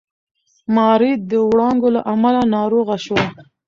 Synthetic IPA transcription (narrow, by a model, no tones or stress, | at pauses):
mɑɾid̪̚d̪əwɽɑŋɡolaʔamalanɑɾoɣaʃwa